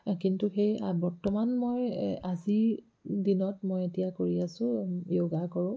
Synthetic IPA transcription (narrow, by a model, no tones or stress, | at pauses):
kintuxejabɔɹtɔmanmojazi | dinɔtmojetijakoɹiasʊ̃joɡakɔɹʊ̃